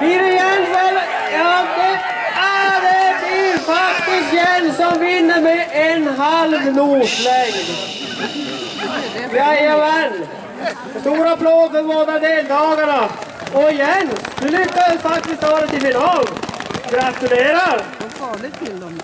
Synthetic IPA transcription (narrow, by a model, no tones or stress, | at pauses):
bɪɾɪjɛnːvɛl | jɑːd̪ɛ | æd̪ɛblɪɾfak̚t̪ɪst̪jɛnsɔmvɪnːəɾmɛʔenɦalvnuːʂlɛːɡn | jaɑvɛl | st̪uːɾapʰloːd̪fəɾboːd̪ad̪eːlt̪ʰɑːɡana | ɔɪjɛnd̪ʉlʏkːad̪fak̚t̪ɪst̪ɑːɾət̪ɪmɪnhɔd̪ɡɾat̪ʉɾeːɾaɾ